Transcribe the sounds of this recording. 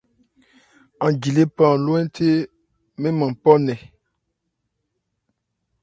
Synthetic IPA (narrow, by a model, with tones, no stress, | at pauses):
ã˨d͡ʒi˨le˦pã˦˨lo˦ɛ̃˦tʰe˦ | mẽ˦mã˨pɔ˦nɛ˨